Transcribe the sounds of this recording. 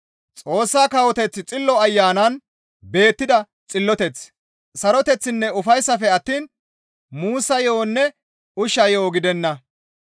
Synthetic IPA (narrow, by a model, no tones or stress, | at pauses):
t͡sʼo̞ːsːaːkɐwɔt̪ɛt͡sːt͡sʼɪlːɔɐjːaːnɐn | be̞ːt̪ːɪd̪ɐ | t͡sʼɪlːɔt̪ɛt͡s | sɐɾɔt̪ɛt͡sːɪnːɛʊfɐjsːɐfɛɐt̪ːiːn | muːsːɐjo̞ːnːɛ | ʊʃɐjo̞ːɡɪd̪ɛnːɐ